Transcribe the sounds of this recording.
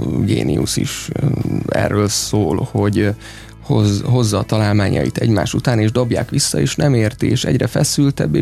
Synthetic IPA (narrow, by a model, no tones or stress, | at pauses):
ɡeːnḭṵsḭʃ | ɛ̰rːøːlsoːlho̞ɟ | hozɦo̞zːɒːt̪ɒlaːlmaːɲɒ̰jit̪ɛɟmaːʃut̪aːneːʒd̪o̞bjaːkʋisːɒeːʃnɛmeːrt̪ieːʃɛ̰ɟrɛfɛsylt̪ɛbːeː